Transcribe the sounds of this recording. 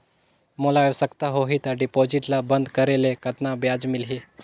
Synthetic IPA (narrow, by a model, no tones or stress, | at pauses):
molajsəkt̪aɦoɦit̪aɖipod͡ʑiʈlabənd̪kəɾelekət̪nabjad͡zmilɦi